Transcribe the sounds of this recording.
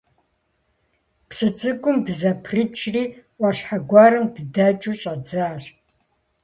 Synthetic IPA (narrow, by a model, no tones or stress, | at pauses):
psɨt͡sʼɨkʷʼʊmdɨzɐpʰrɨt͡ʃʰriːʔʷɑɕħaɡʷɑːɾɨmdɨdaːt͡ʃʼuɕʼad͡zɨːɕ